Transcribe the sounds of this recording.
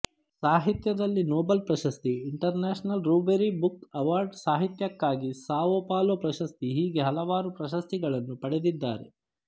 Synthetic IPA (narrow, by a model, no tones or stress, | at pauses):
saːɦit̪jɐd̪ɐlːinoːbɐlpɾɐʃɐst̪iːɳʈɐɾneːʃnɐlɾuːbeɾibukɐʋaːɾɖsaːɦit̪jɐkːaːɡisaːʋoːpaːloːpɾɐʃɐst̪iɦiːɡe̞ɦɐlɐʋaːɾupɾɐʃɐst̪iɡɐɭɐnːupɐɽed̪id̪ːa̰ːɾḛ